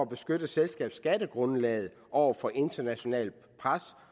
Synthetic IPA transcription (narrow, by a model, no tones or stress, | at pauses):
æb̥e̝sɡ̥ød̥əselsɡ̥ɛ̰ːb̥sɡ̥æd̥əɡ̥ʁɔ̽nlɛ̰ːð̞̩ˠ | ʔɒʊ̰ɐfɒ̽ʔe̝nd̥ɐnæɕo̝nɛ̰ːl | pʰʁas